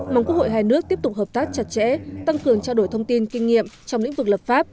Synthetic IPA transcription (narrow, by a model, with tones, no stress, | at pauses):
maː˨˩ŋku˦˥ək̚ʰho̰˧˨jɦaː˧jnɨ˦˥ək̚t̪i˦˥ət̪ʊ˨˩k͡p̚hə˨˩p̚t̪aː˦˥k̚t͡ɕa˨˩t̚t͡ɕɛ̰˧˥t̪a˧ŋkɨ˨˩əŋt͡ɕaː˧ɗo˧˩jt̪ʰə˧wŋ͡mt̪i˧nkï˧ŋ̟ŋḭ˧˨əmt͡ɕɔ˧wŋ͡mlḭ̈˧˥ŋvɨ˨˩k̚lə˨˩p̚faː˦˥p̚